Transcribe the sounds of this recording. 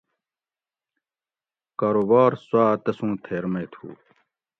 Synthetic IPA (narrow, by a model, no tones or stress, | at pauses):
kaːɾoːbaːɾswaːt̪ɐsũːt̪ʰeːɾmeːt̪ʰṵː